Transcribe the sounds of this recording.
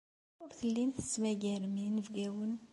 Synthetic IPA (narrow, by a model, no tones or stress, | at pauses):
ʊɾθəlːinθə̥smæɡæɾminəvɡæwən